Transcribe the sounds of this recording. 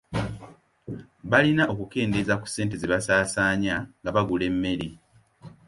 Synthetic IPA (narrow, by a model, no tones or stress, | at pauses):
βalinaʔo̞kuke̞ːndezaku̥sːe̞ːnt̬eziβasaːsaːɲaŋɡaβaɡule̞mːe̞ɾi